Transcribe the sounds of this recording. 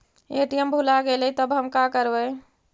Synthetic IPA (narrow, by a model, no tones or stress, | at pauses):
eʈijəmbʱulaɡelɛt̪əbʱɦəmkakəɾbə